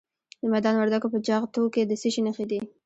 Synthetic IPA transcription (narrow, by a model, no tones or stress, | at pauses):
d̪əmad̪ɑnwaɾd̪akopəd͡ʒɑɣt̪oked̪əseʃinəxed̪i